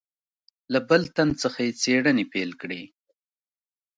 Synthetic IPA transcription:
labəlt̪ant͡səxajet͡seɽənepelkɽe

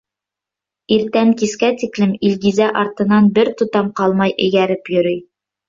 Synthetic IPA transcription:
iɾt̪æŋkiskæt̪iklɘmilɡizæʔɑɾt̪ɤ̆nɑnbɘɾt̪ŭt̪ɑmqɑlˠmɑjʔɘ̆jæɾɘpjɵ̆ɾɵj

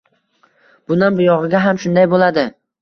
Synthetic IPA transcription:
b̥ʊnanbʊjɒʁɪɡʲaɦamʃʊnd̪ajbolad̪ɪ

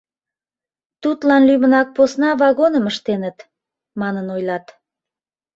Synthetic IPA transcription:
t̪ut̪lɑnlymənɑk̚posnɑvɑɣonəməʃt̪enət̪ | mɑnənojlɑt̪

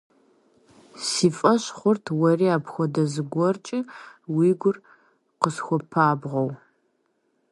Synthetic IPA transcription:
siːfʼɐɕχʷʊrtʰwɔriːaːpʰxʷɔdɐzɨɡʷɔrt͡ʃʼɪwiːɡʷʊr | qəsxʷɔpʰaːbʁɐw

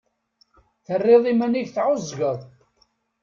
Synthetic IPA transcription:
θərːɪðˤimæniʝθʕʊzˤʝəðˤ

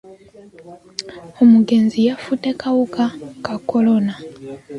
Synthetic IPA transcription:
omuɡe̞nzijafutekawukakakolona

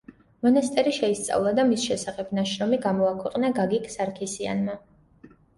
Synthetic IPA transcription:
mɔnast̪ʼɛɾiʃɛist̪sʼa̰vlˠad̪amisʃɛsaχɛbnaʃɾɔmiɡamɔakʰwɛqʼnaɡaɡikʰsaɾkʰisia̰nma

